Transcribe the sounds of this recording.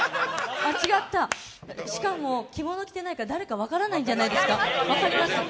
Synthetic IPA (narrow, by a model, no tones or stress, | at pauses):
at͡ɕiɡat̪ːa | ɕi̥kamo̞kʲimo̞no̞kʲt̪e̞naikad̪aɾe̞kaβ̞akaɾanaĩɲd͡ʑanaid̪e̞sɨ̥kaβakaɾʲimaɕt̪a